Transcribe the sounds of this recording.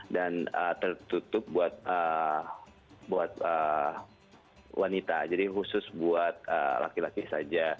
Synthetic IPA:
danət̪ərt̪ut̪ʊp̚buat̪̚ə | buat̪̚ə | wʔanit̪a̰d͡ʒadiɦusʊsbuat̪̚ə̰la̰kilakisad͡ʒa

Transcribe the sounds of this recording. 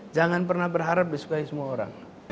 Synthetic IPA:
d͡ʒaŋanpəɾnabəɾɦaɾəp̚biskajsmɔɔɾa̰ŋ

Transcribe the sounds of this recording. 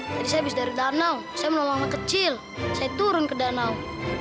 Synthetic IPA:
d͡ʒadisajabisdaɾidanawsajamənɔlɔŋlakət͡ʃɪl | sajat̪uɾʊnkədanaw

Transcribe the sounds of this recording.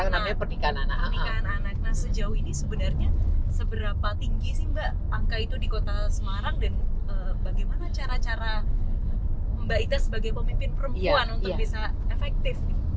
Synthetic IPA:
aŋnaaɲapərnikanananikananak̚nahsəd͡ʒauinisəbənarɲasəbəɾapat̪iŋɡisiŋba | aŋkait̪udikot̪asəmaɾaŋdanəbaɡajmanat͡ʃaɾat͡ʃaɾaəməmbait̪asəbaɡajpəmimpɪnpəɾəmpuanunbiasaefɛk̚t̪ɪfɪ

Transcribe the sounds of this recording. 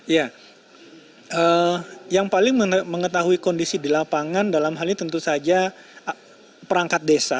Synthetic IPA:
ja | ʔəjaŋpalɪŋməŋət̪aɦuikondisidilapaŋandalamɦalɲit̪ənt̪usad͡ʒa | pəɾaŋkat̪̚desa

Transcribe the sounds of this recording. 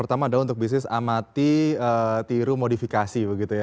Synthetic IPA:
ərt̪amaːdaunt̪ʊk̚bis̬nɪsa̰mat̪iət̪iɾumodifikasibəɡit̪uja

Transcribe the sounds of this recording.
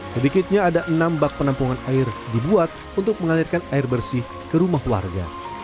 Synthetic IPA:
sədikɪt̪̚ɲaːdaʔənambak̚pənampuŋanaɪrdibuat̪̚ | unt̪ʊk̚məŋalirkanaɪrbərsɪh | kəɾumahwa̰rɡa̰

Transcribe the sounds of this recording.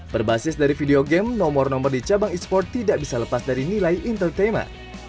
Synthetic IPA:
b̥ərbasɪsdaɾifideoɡɛmnɔmɔrnɔmɔrdit͡ʃabaŋispɔrt̪ːidaʔbisaləpasdaɾinilajʔint̪ərt̪emɛ̰n

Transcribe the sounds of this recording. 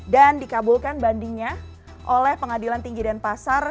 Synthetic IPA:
dandikabulkanbandiŋɲa | ʔolɛhpəŋadilant̪iŋɡidanpasar

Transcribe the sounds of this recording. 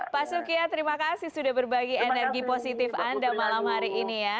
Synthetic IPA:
pasukiat̪əɾimakasɪhsudabərbaɡienərɡiposit̪ɪfandamalamhaɾiʔːnija

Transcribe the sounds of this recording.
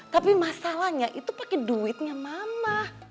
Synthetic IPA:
t̪apimasalahɲaʔit̪upakɛduɪt̪̚ɲamamah

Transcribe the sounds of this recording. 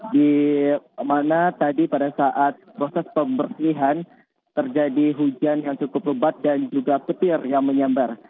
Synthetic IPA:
di | manat̪adipadasaʔat̪̚pɾosɛspəmbərsiɦan | t̪ərd͡ʒadiɦud͡ʒanjaŋt͡ʃukʊpləbat̪̚dand͡ʒuɡapət̪ɪrjaŋməɲambar

